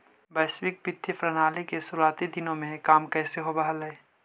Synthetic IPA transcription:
bɛːswɪk̚pɪt̪ʰːipɾɐnaːlikesʊɾuaːt̪id̪ɪnõmẽkaːmkɛːseɦobɐɦəlɛeː

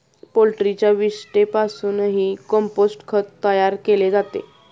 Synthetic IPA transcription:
polʈɾit͡ɕjaʋisʈepasuːnɦiːkɔmposʈkʰət̪t̪ːəjaɾkeled͡zat̪ḛ

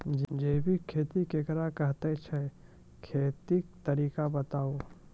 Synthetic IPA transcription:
d͡ʒd͡ʒeːbʱikʰeːt̪ikekəɾakɐɦt̪et͡ʃʰɛ | kʰeːt̪ik̚t̪ɐɾiːkabɐt̪aːo

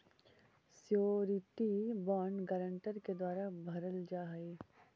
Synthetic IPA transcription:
sjoːɾiʈibaːɳɖɡaːɾəɳʈəɾked̪waːɾabʱɐɾəld͡ʒaːɦe

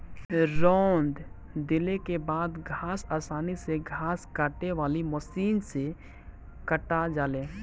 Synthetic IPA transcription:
ɾɔːnd̪ | d̪ɪlekebaːd̪ɡʱaːsaːsaːniseɡʱaːskaːʈeʋaːliməʃiːnse | kəʈad͡ʒaːleː

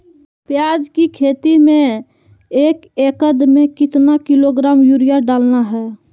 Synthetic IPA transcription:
pjaːd͡ʒkikʰeːt̪imẽ | eːkekəd̪mẽkɪt̪nakɪloɡɾaːmjuɾijaɖaːlnaɦɛː

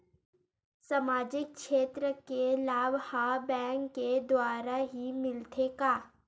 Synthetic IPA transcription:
samaːd͡ʒɪk̚ʃeːt̪ɾəkelaːbhaːbɛ̃ːŋkːed̪waːɾaɦimɪlt̪ʰekaː

